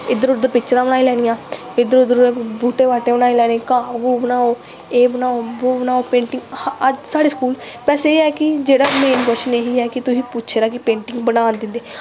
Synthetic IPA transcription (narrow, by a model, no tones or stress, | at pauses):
ɪd̪əɾʊd̪əpɪt͡ʃːəɾãːbənaːiːlɛːnɪjãː | ɪd̪əɾʊd̪əɾbuːʈeːʋaːʈeːbənaːiːlɛːneːkaːbɡoːbənaːoː | eːbənaːoboːbənaːoːpẽːɳʈɪŋɡd͡ʒsaːɽeːskuːl | pɛːseeːɛːkɪd͡ʒeːɽaːmeːnkʊʃneɦiːɛːkɪt̪ʊsĩːpʊtːʃʰeːɾaːkɪpẽːɳʈɪŋɡbənaːnd̪ɪnd̪eː